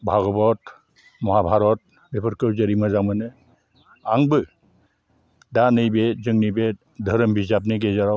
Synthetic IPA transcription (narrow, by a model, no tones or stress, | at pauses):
bʱaɡɔbɔt | mɔɦabʱaɾɔt̚ | bepʰɔɾkɯwzeɾimazamɯnɯ | aŋbɯ | danɯjbezɯŋnɯjbe | dʱəɾɯmbʱizap̬̚neɡezaɾa